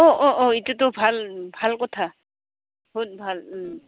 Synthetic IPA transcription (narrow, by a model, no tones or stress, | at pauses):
ɔʔɔʔɔitutʊbʱalbʱalkɔtʰa | but̚bʱal